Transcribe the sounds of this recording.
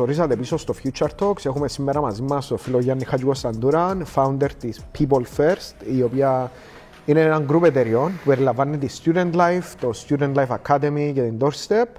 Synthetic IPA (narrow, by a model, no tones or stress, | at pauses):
oɾis̬ɐt̪episost̪ofjut͡ʃːɐɾt̪ʰoksexumesimːeɾamazimːɐst̪ofiloʝanːixat͡ʃukost̪and̪uɾanfawnd̪eɾt̪ispʰip̬olfeɾst̪iopia | ineaŋɡɾupet̪eɾionpupeɾilavːanːet̪̬ist̪jud̪ent̪lajft̪ost̪jud̪ent̪lajfakʰːad̪emicet̪ind̪oɾst̪ep